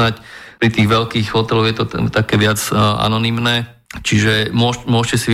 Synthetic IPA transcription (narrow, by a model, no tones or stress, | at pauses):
nacpɾit̪iːɣʋɛlkiːɣɦɔt̪ɛlɔʊjɛt̪ɔt̪akɛːʋɪad͡zʔa̰nɔnimnɛː | t͡ʃiʒɛmʊɔʃmʊɔʃcɛsiʋ